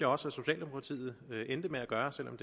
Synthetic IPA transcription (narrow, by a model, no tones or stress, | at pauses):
ɐɒ̽səæso̝ɕɛ̰ːld̥emo̝kʰʁɑ̈t͡sʰḭːð̞̩ˠøʔend̥əmeæɡ̥ɶːɐselʔɒ̽md̥e